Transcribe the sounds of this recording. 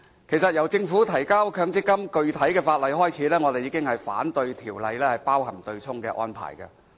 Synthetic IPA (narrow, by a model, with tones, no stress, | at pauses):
kʰe˨˩jsɐ˨t̚jɐ˨˩wt͡sɪ˧ŋfuː˨˥t̪ʰɐ˨˩jkaː˥wkʰœː˧ŋt͡sɪ˥kːɐ˥mkɵ˧ɥt̪ʰɐ˨˥jkɛː˧faː˧t̚lɐ˨jɦɔː˥jt͡sʰiː˨˥lɛː˥ŋɔː˨˧e˨jiː˨˧˥kɪ˥ŋhɐ˨jfa̰ː˨˥nt̪ɵ˧ɥt̪ʰiː˨˩wlɐ˨jlɛː˥hɐ˨jpaː˥whɐ˨˩mt̪ɵ˧ɥt͡sʰʊ˥ŋkɛː˧ʔɔ̰ː˥npʰa̰ː˨˩jkɐ̰ː˧